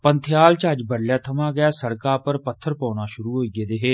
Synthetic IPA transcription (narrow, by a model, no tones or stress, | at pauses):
pənt̪ʰjaːlt͡ʃaːd͡ʒbəɽljaːt̪ʰəmãːɡɪaːsəɽkaːpəɾpət̪ʰːəɾpãːnaːʃʊɾuːɦoːiːɡeːd̪eːɦeː